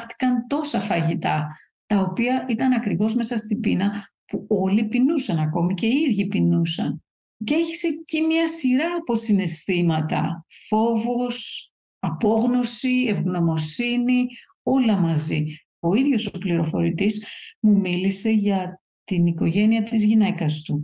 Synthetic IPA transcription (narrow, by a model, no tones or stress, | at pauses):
ft̪i̥kɐnt̪o̞sɐfɐʝit̪ɐ | t̪ɐo̞piɐʔit̪ɐnɐkɾivo̞zme̞sɐst̪ibinɐ | puo̞lipinusɐnɐko̞mice̞iðʝipinusɐn | ceeçi̥se̞cimɲɐsiɾɐːpo̞sine̞st̪imɐt̪ɐ̰fo̞vo̞s | ɐpo̞ɣno̞sie̞vɣno̞mo̞sini | o̞lɐmɐzi | o̞iðʝo̞soopliɾo̞fo̞ɾit̪izmumilise̞ʝɐ | t̪iniko̞ʝe̞niɐt̪izʝine̞kɐst̪u